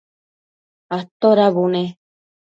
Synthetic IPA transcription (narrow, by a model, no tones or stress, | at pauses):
at̪oɾaβune